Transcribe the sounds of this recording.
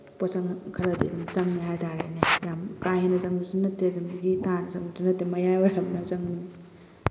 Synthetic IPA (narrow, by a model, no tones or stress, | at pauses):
pɔsɐŋkʰɐɾɐdḭɐdumzɐŋniɦajtaɾa̰nijamkajhanɐzɐŋuzunɐteɐdumɡitanɐzɐŋbuzunɐtemɐjajwɔɾamnɐzɐŋni